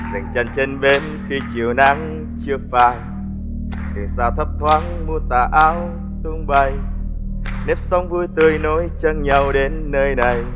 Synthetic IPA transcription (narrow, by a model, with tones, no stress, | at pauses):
za˨˩jŋ̟t͡ɕa˧˩ŋt͡ɕe˧nɓe˧n | xi˧t͡ɕḭ˧˨əwna˧˦ŋ | t͡ɕɨ˧əfaː˧˩j | ɗ̪ɨ˨˩saː˧˩wt̪ʰə˦˥p̚t̪waː˧˦ŋmu˧ət̪aː˨˩ʔaː˧w | t̪u˧ŋ͡mɓa˧˩j | nɛ˦˥p̚sa˧wŋ͡mvu˧jt̪ɨ˧əjno˨˦jt͡ɕə˧ŋɲa˧˩wɗe˨˦nːəː˧jna˨˩j